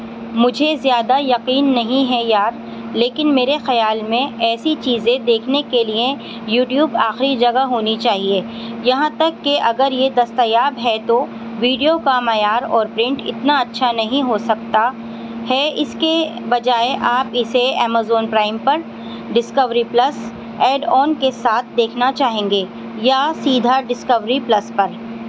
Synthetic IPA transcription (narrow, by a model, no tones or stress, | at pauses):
mʊd͡ʒʱezjaːd̪ajɐqiːnːɐɦĩɦɛjaːɾ | leːkɪnmeːɾexɐjaːlmẽɛːsit͡ʃiːzẽd̪eːkʰnekelie | juːʈjuːbaːxɾid͡ʒɐɡaɦoːnit͡ʃaːɦieː | jɐɦãt̪ɐkːeʔɐɡəɾjed̪ɐst̪ajaːbɦɛt̪o | ʋiːɖijokamɐjaːɾɔːɾpɾɪ̃ɳʈɪ̰t̪naɐtːʃʰanɐɦĩɦosɐk̚t̪a | hɛɪskebɐd͡ʒaːeʔaːpɪseɛːmaːzoːnpɾaːɪmpɐɾ | ɖɪskəʋɾiplɐs | ɛːɖɔːnkesaːt̪̚ʰd̪eːkʰnat͡ʃaːɦẽːŋɡeː | jasiːd̪ʱaɖɪskəʋɾiplɐspɐɾ